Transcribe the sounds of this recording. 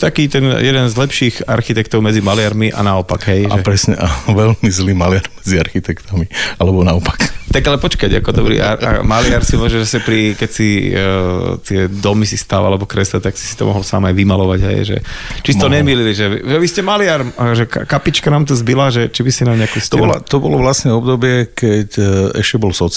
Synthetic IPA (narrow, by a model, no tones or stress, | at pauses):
t̪akiːt̪ɛnjɛd̪ɛnzlɛpʃiːɣa̰ɾxit̪ɛkt̪ɔʊmɛd͡zimalɪaɾmiʔa̰naɔpaɡɦɛjaɛpɾɛsɲɛʔaʋɛlmizliːmalɪaɾmɛd͡ziaɾxit̪ɛkt̪amialɛbɔnaɔpḁkt̪aɡalɛpɔt͡ʃkaɟa̰kɔd̪ɔbɾḭʔaa̰malɪaɾsiuʋaʒɛzasɛpɾikɛcsi | t̪ɪɛd̪ɔmisist̪aʋalɛbɔkɾɛslɛt̪aksi̥si̥t̪ɔ̰mɔ̰ɦɔlsa̰ːmajʋimalɔʋaɟɦɛ̰jʒɛ̰t͡ʃist̪ɔɲɛmililiʒɛʒɛʋiscɛmalɪaɾmʒɛkkapit͡ʃkanaːmt̪̬ɔzbilaʒɛt͡ʃibisinaːmɲɛakust̪ɔbɔlat̪ɔbɔlɔʋlasɲɛɔbd̪ɔbɪɛkɛcɛʃcɛbɔlsɔ